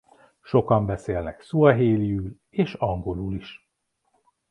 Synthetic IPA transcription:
ʃo̞kɒmbɛseːlnɛksuɒɦeːlijyl | eːʃɒŋɡo̞luːliʃ

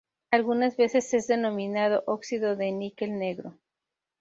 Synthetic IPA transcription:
alɣunazβe̞se̞se̞zðe̞nõ̞mĩnað̞o̞ʔoksiðo̞ðe̞nikelne̞ɣɾo̞

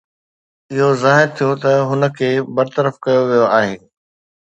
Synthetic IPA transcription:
ɪɦozaːɦɪɾt̪ʰijot̪ɐɦʊnə̆kʰeːbɐɾt̪əɾəfkɐjoʋijoaːɦeː

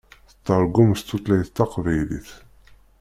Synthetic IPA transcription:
θə̥t̪ˤːɑɾˤɡʊmst̪ːut̪læjθt̪ːɑqvæjlḭθ

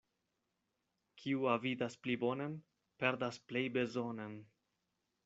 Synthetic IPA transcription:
kʰiuavidasplibo̞nen | pe̞ɾdasple̞jbe̞zonen

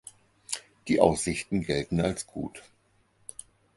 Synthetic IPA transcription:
d̥iːʔaʊsz̥ɪçtn̩ɡɛltn̩alsɡ̥ṵːt

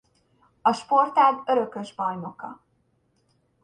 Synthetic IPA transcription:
ɒʃpo̞rt̪aːd̪ø̞ɾø̞kø̞ʒbɒjno̞kɒ̰

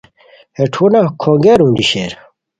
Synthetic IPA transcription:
heʈʰunakʰoːŋɡeɾũːndiɕeɾ

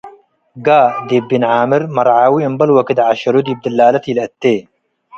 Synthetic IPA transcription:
ɡaːd̪ebːinʕaːmɪɾmɐɾˤʕaːwiəmbɐlwɐkid̪ʕaʃɐɾud̪ib̚d̪ɐlːaːlɐt̪ilɐt̪ːeː

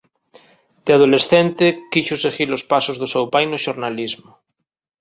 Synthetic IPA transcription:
d̪eað̞olesθent̪ekiʃoseɣiɾlospasozðʊsewpajnoʃoɾnalizmo

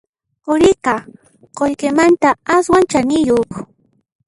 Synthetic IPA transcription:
ʊɾɪqɑ | qoʎkɪmant̪aaswant͡ʃanɪjoχ

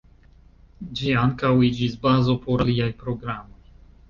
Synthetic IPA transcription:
d͡ʒiaŋkawid͡ʒisbazo̞po̞ɾaliajpɾo̞ɡɾamo̞j

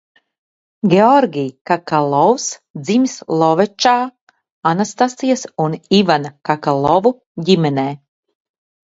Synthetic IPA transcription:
ɡʲeɔɾɡʲijkakalˠɔwsd̪zimʲislˠɔvɛt͡ʃaː | anast̪asijasunivanakakalˠɔvu | ɟimʲɛneː

